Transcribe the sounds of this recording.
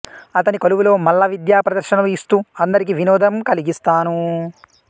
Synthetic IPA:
ɐt̪ɐnikɐluʋulo̞ːmɐlːɐʋid̪jaːpɾɐd̪ɐɾʃɐnɐluist̪uːɐnd̪ɐɾikiʋinɔːd̪ɐmkɐliɡist̪aːnu

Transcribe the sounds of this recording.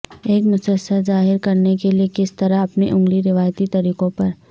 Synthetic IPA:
eːkmʊsəsazaːɦɪɾkɐɾnekeliekɪst̪ɐɾaɐpneʔʊ̃ŋɡliɾɪʋaːjt̪it̪ɐɾiːqõpɐɾ

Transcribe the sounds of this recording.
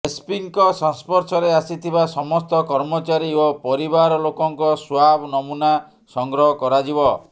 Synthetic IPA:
espiŋkɔsɔnspɔɾsʰɔɾeasit̪ʰibasɔmɔst̪ɔkɔɾmɔt͡ʃaɾiopɔɾibaɾɔlokɔŋkɔswabnɔmuna | sɔŋɡɾɔɦɔkɔɾad͡ʒibɔ

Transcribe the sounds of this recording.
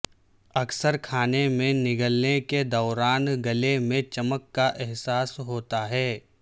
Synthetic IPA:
ɐksəɾkʰaːnemẽnɪɡəlneked̪ɔːɾaːnɡɐlemẽt͡ʃɐməkːaʔɛɦsaːsɦoːt̪aɦɛː

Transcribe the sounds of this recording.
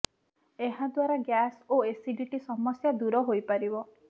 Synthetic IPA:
eɦad̪waɾaɡjasoesiɖiʈisɔmɔsjad̪uɾɔɦojpaɾibɔ

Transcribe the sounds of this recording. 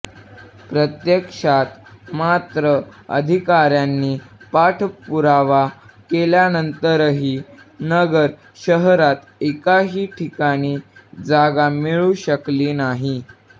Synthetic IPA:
pɾət̪jəkʂat̪mat̪ɾəə̰d̪ʱikaɾjanːiːpaʈʰpuɾaʋakeljanənt̪əɾɦiː | nəɡəɾ | ɕəɦɾat̪ekaɦiːʈʰikaɽ̃iːd͡zaɡamiɭuɕəkliːnaɦi

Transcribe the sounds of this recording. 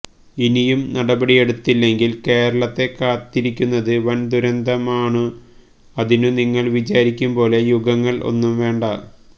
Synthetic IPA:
inijumnɐɽɐbɐɽije̞ɽut̪ːilːe̞ŋɡilke̞ːɾɐɭɐt̪ːe̞kːaːt̪ːiɾikʲːunːɐðɨʋɐnd̪uɾɐnd̪ʱɐmaːɳɨ | ɐðinɨniŋːɐɭʋit͡ɕaːɾikʲːumpo̞ːle̞juɡɐŋːɐɭʔo̞̰nːumʋe̞ːɳɖɐ

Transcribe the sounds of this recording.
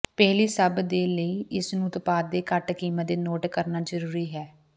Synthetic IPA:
pɛːliːsəbd̪eːləiːɪsnũːt̪paːd̪̚d̪eːkəʈkiːməd̪eːnoːʈkəɾnaːd͡ʒəɾuːɾiːɦɛː

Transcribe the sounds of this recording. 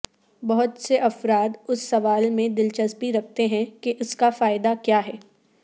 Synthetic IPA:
bɐɦʊt̪seʔɐfɾaːd̪ʊsːɐʋaːlmẽd̪ɪlt͡ʃɐzpiɾɐk̚ʰt̪eɦɛ̃keʔʊskafaːɪd̪akjaːɦɛː

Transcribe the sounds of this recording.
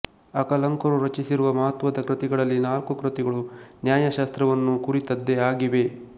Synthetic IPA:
ɐkɐlɐŋkɐɾuɾɐt͡ʃisiɾuʋɐmɐɦɐt̪ʋɐd̪ɐkɾɨt̪iɡɐɭɐlːinaːlkukɾɐt̪iɡɐɭunjaːjɐʃaːst̪ɾɐʋɐnːukuɾit̪ɐd̪ːeaːɡiʋe̞

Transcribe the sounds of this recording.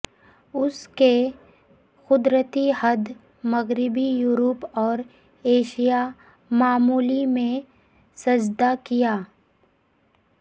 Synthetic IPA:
ʊske | xʊd̪ɾət̪ihɐd̪ | mɐɣɾɪbijuːɾopɔːɾ | eːʃija | maːmuːlimẽ | sɐd͡ʒd̪akijaː

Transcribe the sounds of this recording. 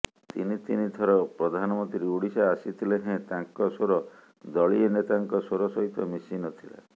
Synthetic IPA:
t̪ḭnit̪inid̪ʱʰɔɾɔpɾɔd̪ʱanɔmɔnt̪ɾiuɽisaːsit̪ʰileɦẽt̪ãŋkɔsoɾɔ | d̪ɔɭienet̪aŋkɔsoɾɔsɔɦit̪ɔmisinɔt̪ʰila̰

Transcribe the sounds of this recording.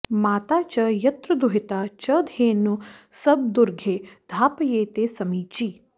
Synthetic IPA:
maːt̪aːt͡ʃɐjɐt̪ɾɐd̪ʊɦɪt̪aːt͡ʃɐd̪ʱeːnu | sɐb̚d̪ʊɾɡʱeːd̪ʱaːpjeːt̪eːsɐmiːt͡ʃiː

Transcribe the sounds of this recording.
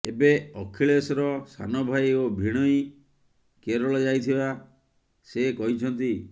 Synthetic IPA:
ebeɔkʰiɭesɔɾɔsa̰nɔbʱajobʱiɽ̃ɔi | keɾɔɭɔd͡ʒajt̪ʰiba | sekɔɦit͡ʃʰɔnt̪i

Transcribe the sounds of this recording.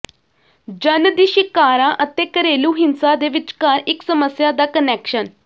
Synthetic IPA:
d͡ʒənd̪iːʃɪkːaːɾãːʔət̪eːkəɾeːluːɦɪnsaːd̪eːʋɪt͡ʃkaːɾɪksəməsjaːd̪aːkənɛːkʃən

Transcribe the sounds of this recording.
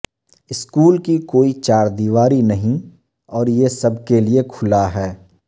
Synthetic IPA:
ɪskuːlkikoːit͡ʃaːɾd̪iːʋaːɾinɐɦĩ | ɔːɾjesɐbkeliekʰʊlaɦɛː

